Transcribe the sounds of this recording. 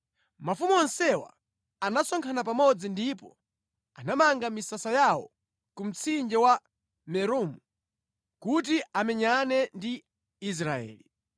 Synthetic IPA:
mafumuɔnsɛwa̰ | anasɔŋkʰanap̬amɔd͡zindipɔ | anamaŋɡamisasajawɔ̰ | kum̩t͡sʰind͡ʒɛwa | mɛɾuːmu | kut̬iʔamɛɲanɛndi | is̬ɾaɛ̰ːli

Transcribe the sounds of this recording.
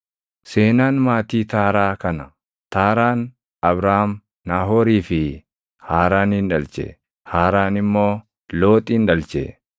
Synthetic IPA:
seːnaːnmaːt̪iːt̪aːɾaːkɐnɐ | t̪aːɾaːn | ɐbɾaːhm | naːɦoːɾiːfɪ | haːɾaːnɪnᶑɐlt͡ʃḛ | haːɾaːnɪmːoː | lo̞ːt̪ʼiːnᶑɐlt͡ʃḛː

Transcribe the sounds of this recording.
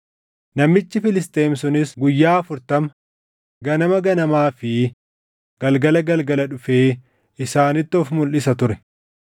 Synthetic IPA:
nɐmːɪt͡ʃːɪfɪlɪst̪e̞ːmsʊnɪsɡʊjːaːɐfʊɾt̪ɐmɐ | ɡɐnɐmɐɡɐnɐmaːfɪ | ɡ̥ɐlɡɐlɐɡɐlɡɐlɐᶑʊfeː | ɪsaːnɪt̪ːɪɔfmʊlːɪsɐt̪ʊɾɛ̥

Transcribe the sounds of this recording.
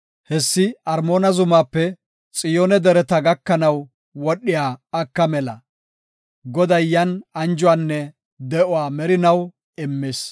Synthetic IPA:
hɛsːɪɐɾmo̞ːnɐzʊmaːpːɛ | t͡sʼɪjoːnɛd̪ɛɾɛt̪ɐɡɐkːɐnɐw | wɔɗːɪjaːkːɐmɛlɐ̰ | ɡɔd̪ɐjjːɐnɐnd͡ʒʊwaːnːɛ | d̪ɛʔʊwaːmɛɾɪnɐw | ɛmːeːs

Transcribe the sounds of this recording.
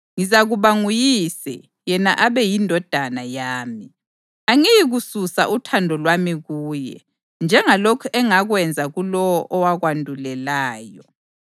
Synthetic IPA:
ŋizaɣuβaŋujisɛ̰ | jɛnaʔaβɛjindʱɔd̥ʱanajaːmi | aŋijiɣususa̰ʔutʰandʱɔlwamiɣuːjɛ̰ | nd͡ʒʱɛŋalɔkʰɔʔɛŋaɣwɛnd͡zʱaɣulɔwɔʔɔwaɣwandʱulɛlaːjɔ

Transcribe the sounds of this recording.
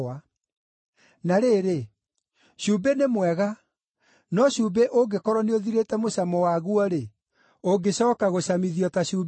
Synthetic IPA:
a | naɾeɾe | ɕubenemwɛɣa | nɔɕuːbeʔoɡekɔɾɔneoðiɾetɛmosamɔwaɣuɔɾe | oɡeɕɔːkaɣoɕamiðiɔtaɕuːb

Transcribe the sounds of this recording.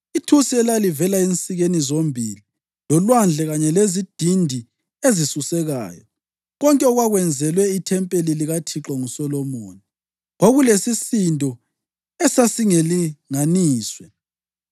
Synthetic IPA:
itʰusiɛlalivɛlaint͡sʼiɣenizombʱili | lɔlwand͡ɮʱɛɣaɲɛlezid̥ʱindʱi | ezisusɛɣa̰ːjɔ̰ | ɣɔŋkʼɛɔɣwaɣwɛnd͡zʱɛlwɛitʰɛmpʼeliliɣatʰiǁɔŋusɔlɔmo̰ːni | ɣoɣulesisindʱʼɔ | ɛsasiŋeliŋaniːswɛ

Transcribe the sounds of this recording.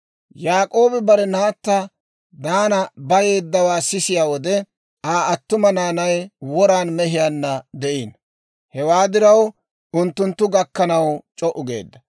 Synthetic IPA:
jaːkʼo̞ːbɪbɐɾɛnaːt̪ːɐ | d̪aːnɐbɐje̞ːd̪ːɐwaːsɪsɪjaːwɔd̪ɛ | aːɐt̪ːʊmɐnaːnɐjwɔɾaːnmɛɦɪjaːnːɐd̪ɛʔiːn | hɛwaːd̪ɪɾɐw | ʊnt̪ːʊnt̪ːʊɡɐkːɐnɐwt͡ʃʼɔʔʊɡe̞̰ːd̪ːɐ

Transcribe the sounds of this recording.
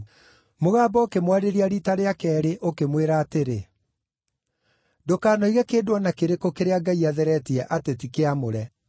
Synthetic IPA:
moɣaːbɔokemwaɾeɾiaɾitaɾeakɛːɾeʔokemweɾaːteɾe | dokaːnɔiɣɛkeːdwɔnakeɾekokeɾeaɡaiaðɛɾɛtiɛʔatetikeamoɾɛ

